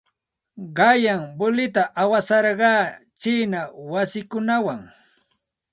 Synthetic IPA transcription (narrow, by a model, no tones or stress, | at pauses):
ɢɑjaŋbʊlɪt̪aʔawasɑɾɢɑːt͡ʃiːnawasɪkʊnawaŋ